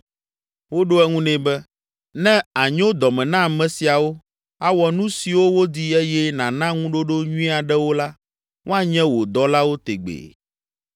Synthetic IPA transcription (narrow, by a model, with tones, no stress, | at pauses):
wo˦ɖo˦ɛ˦ŋũ˦nɛ̃˨˦bɛ˦ | nɛ̃˦a˨ɲõ˦d̪ɔ˨mɛ̃˨nã˦˨mɛ̃˨si˨a˨wo˦ | a˦wɔ˨nũ˦si˨wo˦wo˦d̪i˦e˦jɛ˦nã˨nã˦ŋũ˦ɖo˦ɖo˦ɲũ˦ĩ˦a˨ɖɛ˦wo˦la˦ | ŋo˦a˨ɲɛ̃˦wo˨d̪ɔ˦la˦wo˦t̪ḛ˨ɡ͡bḛ˨